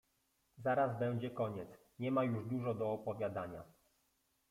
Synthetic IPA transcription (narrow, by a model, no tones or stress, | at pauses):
zaɾazbɛw̃d͡ʑɛkɔɲɛt̪s | ɲɛmajuʐd̪uʐɔd̪ɔːpɔvʲjad̪aɲa